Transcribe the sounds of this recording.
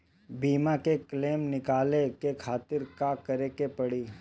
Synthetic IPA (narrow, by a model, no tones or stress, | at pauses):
biːmakekleːmnɪkaːlekekʰaːt̪ɪɾkakɐɾekepɐɽiː